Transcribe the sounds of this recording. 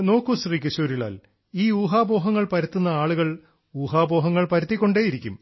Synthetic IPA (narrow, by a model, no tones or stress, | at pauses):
no̞ːkːuɕriːkʲɐɕuːɾila̰ːl | iːuːɦaːbo̞ːɦɐŋːɐɭpɐɾɐt̪ːunːɐaːɭuɣɐɭ | uːɦaːbo̞ːɦɐŋːɐɭpɐɾɐt̪ːikʲːo̞ɳɖeːjiɾikʲːṵm